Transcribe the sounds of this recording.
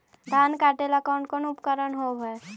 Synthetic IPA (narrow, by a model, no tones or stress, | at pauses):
d̪ʱaːnkaːʈelakaʊ̃ɳʈkonʊpkəɾənɦobəe